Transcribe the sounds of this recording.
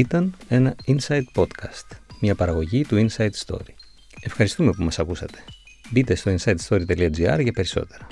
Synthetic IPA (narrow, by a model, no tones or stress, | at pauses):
it̪ɐne̞nɐinsɐjd̪̚po̞t̪kɐst̪mɲɐpɐɾɐɣo̞ʝit̪uinsɐjt̪st̪o̞̰ɾi | e̞fxɐɾist̪ume̞pumɐsɐkusɐt̪e̞̥ | bit̪e̞st̪o̞insɐjt̪st̪o̞ɾit̪e̞liɐd͡ziɐ̰ɾʝɐpe̞ɾiso̞̰t̪e̞ɾɐ